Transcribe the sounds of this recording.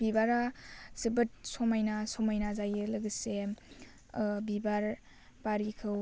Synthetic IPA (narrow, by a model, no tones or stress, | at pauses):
bibaɾazibɯt̚sɔmajnasomajnazajɯlɐɡɯsem | bibaɾ | paɾikʰɯw